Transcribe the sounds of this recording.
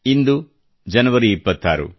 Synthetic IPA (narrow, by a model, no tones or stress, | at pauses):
ind̪u | d͡ʒɐnɐʋɐɾiipːɐt̪ːaːɾṵ